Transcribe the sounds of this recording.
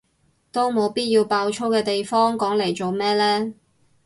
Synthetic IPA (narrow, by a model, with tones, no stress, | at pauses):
t̪o˥wmo˨˧wpiː˥t̚jiː˧wpaː˧wt͡ʃʰo˥wkɛː˧t̪e˨jfɔː˥ŋkɔː˨˥ŋle˨˩jt͡so˨wmɛː˥lɛː˥